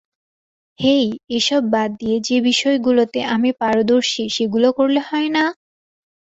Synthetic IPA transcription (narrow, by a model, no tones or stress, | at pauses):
hejeʃɔbːad̪d̪ijed͡ʑebiʃɔeɡulot̪eʔamipaɾod̪oɾʃiʃeɡulokoɾlehɔena